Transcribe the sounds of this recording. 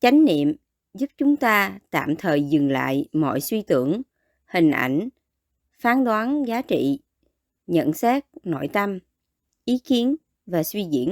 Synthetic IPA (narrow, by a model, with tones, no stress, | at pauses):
t͡ɕa˨˦jŋ̟nḭ˧˨əm | zu˦˥p̚t͡ɕʊ˨˦ŋ͡mt̪aː˧t̪a̰ː˧˨mt̪ʰəː˨˩jzɨ˨˩ŋla̰ː˧˨jmɔ̰˧˨jswi˧t̪ɨ˧˩əŋ | hï˨˩ŋ̟ʔa˧˩jŋ̟ | faː˨˦nɗwaː˨˦nzaː˨˦t͡ɕḭ˧˨ | ɲə̰˧˨nsaː˦˥k̚no̰˧˨jt̪ə˧m | ʔi˨˦ki˨˦ən | vaː˨˩swi˧ɣḭ˧˥ən